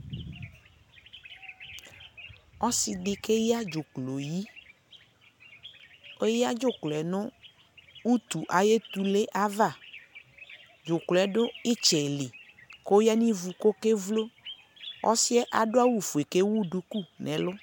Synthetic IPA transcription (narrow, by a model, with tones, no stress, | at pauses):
ɔ˦si˨ɖɪ˨ke˦ja˦d͡ʒo˨klo˨ji˦ | o˦ja˦d͡ʒʊ˦˨klɛ˨nʊ̃˦ | u˦t̪u˨ʔa˨je˦t̪u˨le˦ʔa˦va˦˨ | d͡ʒo˨klɛ˨˦ɖʊ˦i˦t͡ʃɛ˨li˨ko˦ja˦nĩ˦vu˨ko˦ke˦vlo˦ | ɔ̰˦si˦ɛ˦ʔa˨ɖʊ˦a˦wu˦fu˨e˨ke˦wu˦ɖu˨ku˦˨nɛ̃˨lʊ˦